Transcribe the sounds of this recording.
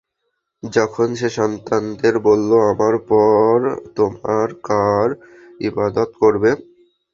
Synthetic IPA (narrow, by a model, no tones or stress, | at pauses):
d͡ʑɔkʰonʃeʃɔnt̪and̪eɾbolːoamaɾpɔɾt̪omaɾkaɾ | ibad̪ot̪koɾbe